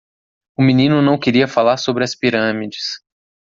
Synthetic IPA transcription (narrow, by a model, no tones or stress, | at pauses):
ʊminĩnʊnɐ̃w̃keɾiɐfalaɾsobɾɪɐspiɾɐ̃mid͡ʒɪs